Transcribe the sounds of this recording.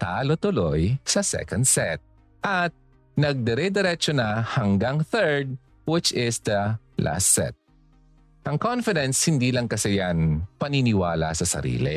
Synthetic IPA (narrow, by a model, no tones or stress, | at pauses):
t̪aːlot̪ʊlojsɐsɛ̰kɐnd̪sɛt̪̚ | ʔɐt̪̚ | nɐɡ̚d̪ɛɾɛd̪ɛɾɛt͡ʃonɐhɐŋɡaŋθɛɹd̪̚ | wɪt͡ʃɪsd̪ɐlʔa̰sɛ̰t̪̚ | ʔɐŋkonfɪd̪ɛnshɪnd̪iːlɐŋkɐsɛjanpɐninɪwaːlɐ̰sɐsɐ̰ɾḭːlɪ̰